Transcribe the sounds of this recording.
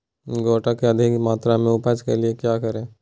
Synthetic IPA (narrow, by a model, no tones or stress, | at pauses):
ɡoːʈakeɐd̪ʱɪkmaːt̪ɾamẽʊpat͡ʃkeliekjaːkɐɾẽː